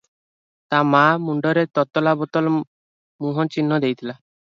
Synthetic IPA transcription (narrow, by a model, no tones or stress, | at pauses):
t̪amamuɳɖɔɾet̪ɔt̪ːɔlabɔt̪ɔl | muɦɔt͡ʃinːɔd̪ejt̪ʰila